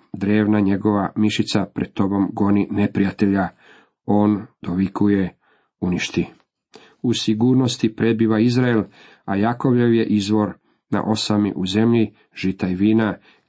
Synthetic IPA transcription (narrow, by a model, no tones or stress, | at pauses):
d̪ɾe̞ːʋnaɲe̞ɡo̞ʋamiʃit̪sapɾed̪̥̚t̪o̞bo̞mɡo̞nine̞pɾijat̪e̞ʎa | o̞ːnd̪̥oʋikʰuje̞ | uniʃt̪i | usiɡuːɾno̞st̪ipɾe̞d̪̚biʋaizɾael | ajako̞ʋje̞ʋje̞ʔizʋo̞ɾ | na̰ʔo̞samḭʔuze̞mʎi | ʒ̥it̪aiʋiːna